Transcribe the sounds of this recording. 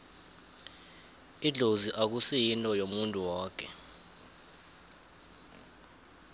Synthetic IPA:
iɮʱoziʔak̬usɛjintʼɔjomuntʼuwaːkʰɛ̰

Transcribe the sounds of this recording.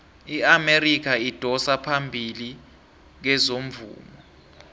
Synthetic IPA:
iamerik̬ʰaid̥ʱɔsapʰambʱili | k̬ɛzom̩vṵːmɔ

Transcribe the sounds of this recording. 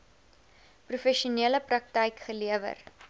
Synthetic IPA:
prufɛʃuniələprɐk̚təjkχəliəvə̰r

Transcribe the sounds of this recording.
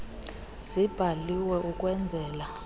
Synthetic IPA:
z̥ib̥ʱaliwɛʔukʼwɛnd͡zʱɛːla

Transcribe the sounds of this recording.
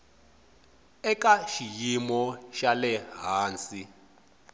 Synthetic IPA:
ɛkʼaʃijimɔʃalɛɦaːnsi

